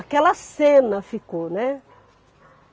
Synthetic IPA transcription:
akɛlɐsẽnɐfikonɛ

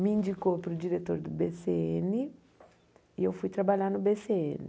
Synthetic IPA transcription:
miĩnd͡ʒikopɾʊd͡ʒiɾet̪oɾd̪ubeseɛni | iewfujt̪ɾabaʎaɾnʊbeseɛni

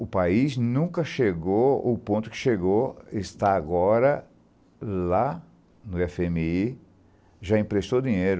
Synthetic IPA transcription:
ʊpaiznũkɐʃeɡoʊpõnt̪ʊ̥kɪ̥ʃeɡoest̪aːɡɔɾɐ | la | nʊɛfemii | ʒaĩpɾest̪od̪ĩɲejɾʊ

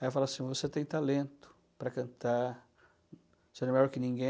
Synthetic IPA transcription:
ajɛfalasĩvoset̪ẽj̃t̪alẽnt̪ʊ̥ | pɾɐkɐ̃nt̪a | seɾɛmeʎɔɾkɪnĩɡẽ

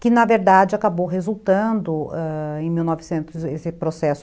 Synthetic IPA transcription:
kɪnɐveɾd̪ad͡ʒɪakabowɦezuwt̪ɐ̃d̪ʊɛẽj̃miwnɔvɪsẽnt̪ʊzesɪpɾosɛsʊ

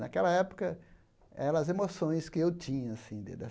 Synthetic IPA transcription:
nakɛlɐɛpo̥kɐ | ɛɾɐɐzemosõj̃skɪewt͡ʃĩɲɐasĩd̪ɪ̰d̪ɛ

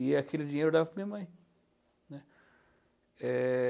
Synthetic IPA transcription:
iakʰelɪd͡ʒiɲejɾud̪avkmĩɐmɐ̃j̃ | nɛ | ɛ

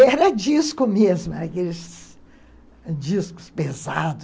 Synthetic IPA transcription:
ɛɾɐd͡ʒiskʊmezmʊɛɾɐkelɪs | d͡ʒiskʊ̥spezad̪ʊ

